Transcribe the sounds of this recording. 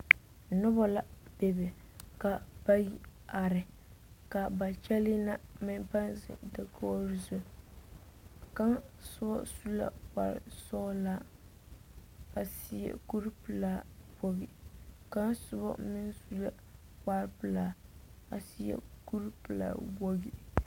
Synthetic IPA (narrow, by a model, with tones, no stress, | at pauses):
nʊ˦bɔ˦la˨be˨bɛ˨ | ka˨ba˦ji˦a˨ɾɪ˨ | ka˨ba˨t͡ʃɛ˦li˦na˦mɪ˦npa˦nsɪ̰˨da˨kʰo˦ɾɪ˦zo˨ | ka˦ŋsʊ˦bɔ̰˦su˦la̰˨ka̰˨ɾɪ̰˨sɔ˦la˦ | a˨si˦jɛ̰˨ku˦ɾpɨ˨la˦wo˦ɡi˨ka˦nsʊ˦bɔ̰˦mɪ˦nsu˦la˦ | ka˦ɾpɨ˨laː˨a˨si˦jɛ̰˨ku˦ɾpɨ˨la̰ː˨bo˦ɡi˨